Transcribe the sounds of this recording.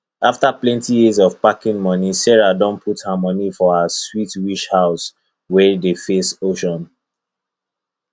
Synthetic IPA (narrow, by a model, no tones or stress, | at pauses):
aftaplɛ̃ntijizɔv̥pakĩŋmɔnisɛɹadɔ̃npʰuthəmɔnifɔhəswitwiʃhaʊs | wɛdefesoʃɔ̃n